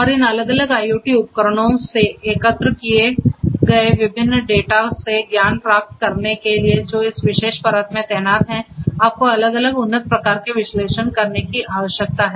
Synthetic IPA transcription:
ɔːɾɪnɐləɡələɡaːjoːʈiʊpkəɾəɽõseeːkət̪ɾəkieɡɐeʋɪbʱɪnːɖeːʈaseɡjaːnpɾaːk̚ʈ̚kɐɾnekelied͡ʒoːɪsʋɪʃeːʃpɐɾəːt̪mẽt̪ɛɦnaːt̪ɦɛ̃aːp̚koɐləɡɐləɡʊnːət̪̚pɾɐkaːɾkeʋɪʃleːʃənkɐɾnekiʔaːʋəʃjək̚t̪aɦɛː

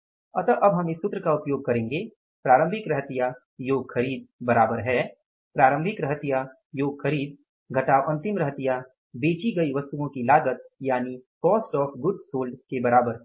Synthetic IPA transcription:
ɐt̪əʔɐbɦɐmɪsːʊt̪ːɾəkaʊpjoːɡ̚kɐɾẽːŋɡe | pɾaːɾə̃mbʱɪkɾɐɦt̪ɪja | joːɡxɐɾiːd̪̚bɐɾaːbəɾɦɛː | pɾaːɾə̃mbʱɪkɾɐɦt̪ija | joːɡxɐɾiːd̪̚ | ɡʱɐʈaːʔɐ̃nt̪ɪmɾɐɦt̪ija | beːt͡ʃiɡɐiʋɐst̪uõkilaːɡət̪̚jaːnikɔːsʈɔːfʰɡʊɖsoːlɖkebɐɾaːbəɾ

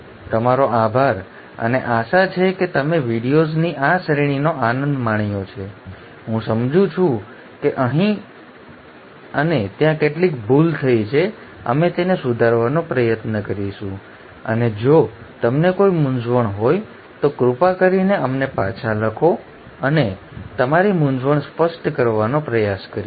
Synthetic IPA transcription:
t̪əmaɾoabʱaɾ | ə̰neʔaʃat͡ʃʰeket̪əmeʋiɽijozniʔasəɾiɽ̃inoanə̃nd̪maɳjot͡ʃʰe | ɦũsəmd͡ʒũt͡ʃʰũ | keʔəɦĩ | ənet̪jãkeʈlikbult̪ʰəit͡ʃʰe | ə̰met̪enesud̪ʱaɾʋanõpɾəjət̪nəkəɾiʃũ | ə̰ned͡ʒo | t̪əmnekoimʊnd͡ʒʋəɳɦoj | t̪okɾupakəɾineəmnepat͡ʃʰaləkʰo | əne | t̪əmaɾimʊnd͡ʒʋəɳspəsʈkəɾʋanopɾəjaskəɾi

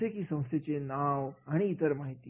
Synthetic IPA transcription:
ekiːsə̃w̃st̪ʰjet͡senaʋaɽ̃iːt̪əɾmaɦit̪iː

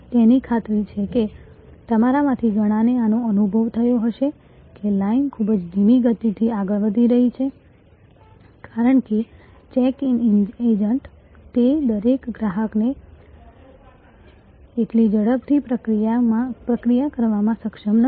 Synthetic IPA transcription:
t̪enikʰat̪ɾit͡ʃʰeke | t̪əmaɾamãt̪ʰiɡəɽ̃ãneanoənubʱəʋt̪ʰəjoɦəʃe | kelainkʰubəd͡ʒd̪ʱimiɡət̪it̪ʰiaɡəɭʋəd̪ʱiɾəɦit͡ʃʰe | kaɾəɳke | t͡ʃɛkined͡ʒəɳʈ | t̪ed̪əɾekɡɾaɦəkne | eʈlid͡ʒəɽəpt̪ʰipɾəkɾijaãpɾəkɾijakəɾʋamãsəkʃəmnə

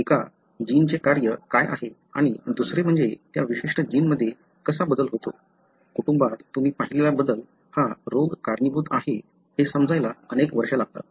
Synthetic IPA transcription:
eka | d͡ʑint͡sekaɾjəkaja̰ɦe | a̰ɽ̃id̪usɾem̤əɳd͡zet̪jaʋiɕiʂʈəd͡ʑiːnməd̪ʱːje | kəsabəd̪əlɦot̪o̰ | kuʈumbad̪t̪um̤iːpaɦilelabəd̪əl | haɾoɡkaɾnəbud̪aɦe | hesəmd͡zajlaənekʋəɾʂəlaɡ̚t̪a̰

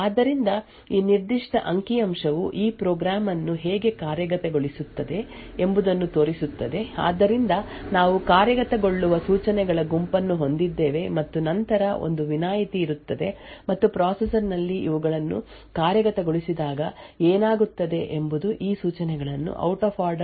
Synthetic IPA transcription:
aːd̪ːɐɾind̪ɐ | iːniɾd̪iʂʈɐʔɐŋkijɐmʂɐʋuʔiːpɾoːɡɾaːmɐnːuɦeːɡe̞kaːɾjɐɡɐt̪ɐɡo̞ɭisut̪ːɐd̪e̞ | embud̪ɐnːut̪o̞ːɾisut̪ːɐd̪e̞a̰ːd̪ːɐɾind̪ɐnaːʋukaːɾjɐɡɐt̪ɐɡo̞ɭːuʋɐsuːt͡ʃɐnɛɡɐɭɐɡumpɐnːuɦo̞nd̪id̪ːeːʋe̞mɐt̪ːunɐnt̪ɐɾɐo̞̰nd̪uʋinaːjit̪iːɾut̪ːɐd̪e̞mɐt̪ːupɾaːsesɐɾnɐlːiiʋuɡɐɭɐnːṵ | kaːɾjɐɡɐt̪ɐɡoɭisid̪aːɡɐeːnaːɡut̪ːɐd̪e̞ʔembud̪uʔiːsuːt͡ʃɐnɛɡɐɭɐnːṵʔɐ̰wʈoːpʰaːɾɖ

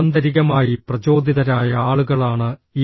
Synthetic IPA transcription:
ɐnd̪ɐɾiɣɐmaːjiprɐt͡ɕo̞ːd̪ʱiðɐɾaːjɐaːɭuɣɐɭaːɳɨi

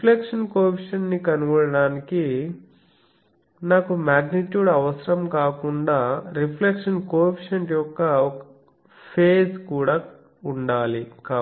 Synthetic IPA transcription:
pʰlekʂɐnkoːpʰiʂɐnːikɐnuʋɐɽɐɽaːniki | naːkumaːɡniʈjuːɖɐʋɐsɐɾɐmkaːkuɳɖaːɾipʰlekʂɐnkoːpʰiʂɐnʈjɔkːɐɔkɐ | pʰeːd͡ʒkuːɽaː | uɳɖaːlikaː

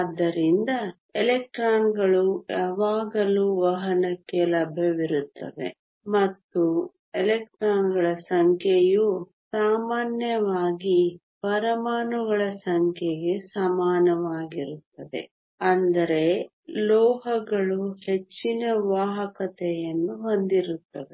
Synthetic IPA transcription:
ad̪ːɐɾind̪ɐ | elek̚ʈɾaːnɡɐɭujaːʋaːɡɐluːʋɐɦɐnɐkːelɐbʱjɐʋiɾut̪ːɐ̰d̪e̞̰ | mɐt̪ːu | elek̚ʈɾaːnɡɐɭɐsɐŋkʰeju | saːmaːnjɐʋaːɡi | pɐɾɐmaːnuɡɐɭɐsɐŋkʰeɡe̞sɐmaːnɐʋaːɡiɾut̪ːɐd̪e̞̰ | ɐnd̪ɐɾe̞ | lɔːɦɐɡɐɭuhe̞t͡ʃːinɐʋaːɦɐkɐt̪ɛjɐnːuɦond̪iɾut̪ːɐd̪e

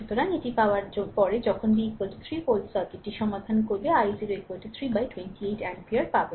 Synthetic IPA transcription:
ʃut̪oɾaŋeʈipaoaɾd͡ʑonpɔɾed͡ʑɔkʰonbikalʈi̥t̪ʰɾipolsaɾkeʈːiʃɔmad̪ʱankoɾbeajziɾoekwalʈit̪ʰɾibajʈwenʈieʈɛnpiaɾpabe

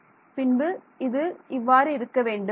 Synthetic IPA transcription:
pɪɳbɯ | ɪðɯʔɪʋːaːɾɯɪɾɯkːɐʋeːɳɖɯ

